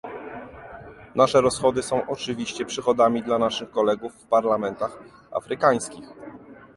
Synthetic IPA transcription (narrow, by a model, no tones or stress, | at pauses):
naʂɛɾɔsxɔd̪ɘsɔ̃w̃ʔɔt͡ʂɘvʲiɕt͡ɕɛpʂɘxɔd̪amʲid̪lanaʂɘxkɔlɛɡufːpaɾlamɛnt̪ax | a̰fɾɘkaj̃skʲix